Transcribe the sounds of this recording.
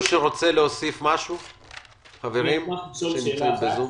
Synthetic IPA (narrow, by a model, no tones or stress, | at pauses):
ʃeʁo̞t͡se̞leosifmaʃu | χave̞ʁimʃemt͡simbezu